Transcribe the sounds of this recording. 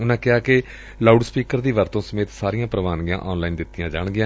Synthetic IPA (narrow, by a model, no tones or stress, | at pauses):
ʊnãːkɪaːkɪ | laːuɖspiːkəɾd̪iːʋəɾt̪õːsəmeːt̪saːɾijãːpɾəʋaːnɡjã̰ːʔɔːnlaːiːnd̪ɪt̪ːɪjãːd͡ʒaːɳɡɪjãː